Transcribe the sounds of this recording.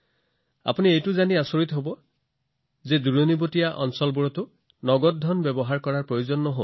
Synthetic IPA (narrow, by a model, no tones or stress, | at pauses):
a̰puniejtʊzaniasoɹit̪ɦobɔ | zeduɹonibotijaʔɔ̰nsɔlbuɹɔtʊ | nɔɡɔt̚dʱɔnbɛbɔɦaɹkɔɹaɹpɹojozɔnːɔɦo̰